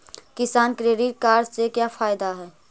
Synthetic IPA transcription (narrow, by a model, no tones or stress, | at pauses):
kɪsaːnkɾeːɖɪʈ̚kaːɾd͡ʒsekjaːfʰaːɪd̪aɦɛː